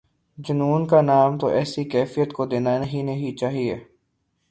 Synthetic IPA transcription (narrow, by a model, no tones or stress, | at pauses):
d͡ʒʊnuːnkanaːmt̪oʔɛːsikɛːfijət̪kod̪eːnanɐɦinɐɦit͡ʃaːɦiḛː